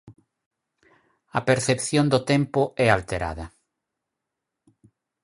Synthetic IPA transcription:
ɐpeɾθepθjond̪ot̪empʊɛalt̪eɾa̰ðɐ

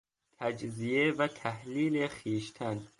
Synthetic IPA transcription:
t̪ʰæd͡ʒzijevæt̪ʰæhliːlexiːʃt̪ʰæn

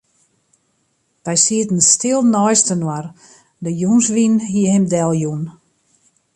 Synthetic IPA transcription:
ʋ̥ɛjsiətn̩stɪlˠnɔjstənwar | dəjunsʋinɦiəhɪmdɛlˠjun

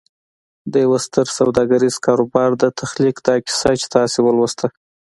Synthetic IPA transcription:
d̪əjawast̪əɾsawd̪ɑɡaɾiz̥kɑɾobɑɾd̪ət̪ʰaxlikd̪ɑkɪ̥sat͡ʃe̥t̪ɑsewəlwəst̪ʰa

